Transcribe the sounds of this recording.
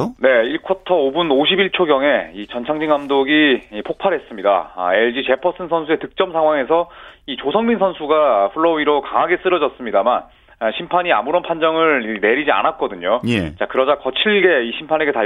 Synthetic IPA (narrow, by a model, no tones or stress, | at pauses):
ne̞iɭkʰʌtʰʌobunoɕʰibiɭt͡ɕʰoɡjʌŋe̞it͡ɕʌnt͡ɕʰaŋd͡ʑiŋamdoɡiːpʰok̚pʰaɾɦe̞s͈ɯmɲida̰e̞ɭd͡ʑit͡ɕe̞pʰʌs͈ʰɯnsʰʌnsʰue̞tɯk̚t͡ɕ͈ʌmsʰaŋɦwaŋe̞sʰʌit͡ɕosʰʌŋminsʰʌnsʰuɡaɸuɭːʌwiɾokaŋaɡe̞s͈ɯɾʌd͡ʑʌs͈ɯmɲidaman | ɕʰimpʰaɲia̰muɾʌnpʰand͡ʑʌŋɯɭne̞ɾid͡ʑia̰nat̚k͈ʌdɯɲojet͡ɕakɯɾʌd͡ʑakʌt͡ɕʰiɭɡe̞iɕʰimpʰane̞ɡe̞ta